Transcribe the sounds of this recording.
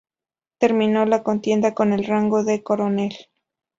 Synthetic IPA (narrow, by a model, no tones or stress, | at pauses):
t̪e̞ɾmĩno̞lako̞nt̪je̞nd̪ako̞ne̞lraŋɡo̞ðeko̞ɾo̞ne̞l